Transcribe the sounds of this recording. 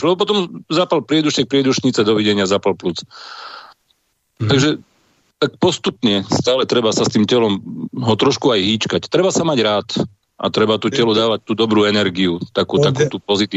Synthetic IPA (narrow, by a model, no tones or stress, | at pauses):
ɔp̬ɔt̪ɔmzaːpalpɾɪɛd̪uʃt̪ɛk̚pɾɪɛd̪uʃɲit͡sɛd̪ɔʋiɟɛɲɪazapalplut͡s | t̪aɡʒɛ | t̪ak̚pɔst̪upɲɛst̪aːlɛt̪ɾɛbasast̪iːmcɛlɔmɦɔt̪ɾɔʃkuajɦiːt͡ʃkact̪ɾɛbasamaɟɾaːt̪ | ʔa̰t̪ɾɛbat̪uːcɛlud̪aːʋac̚t̪uːd̪ɔbɾuːɛnɛɾɡiut̪akuːt̪akuːt̪uːpɔzit̪iː